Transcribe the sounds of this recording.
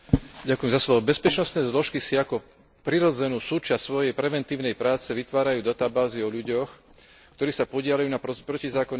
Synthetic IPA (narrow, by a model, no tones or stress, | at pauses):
ɟakujɛmzasʋɔbɛspɛt͡ʃnɔst̪nɛːzlɔʃkisiakɔ | pɾiɾɔd͡zɛnuːsuːt͡ʃastsʋɔjɛjpɾɛʋɛnt̪iːʊnɛjpɾaːt͡sɛʋit̪ʋaːɾajuːd̪at̪aːbaːziɔʎuɟɔx | kt̪ɔɾiːsapɔɟɪalajuːnapɾɔpɾɔcizaːkɔn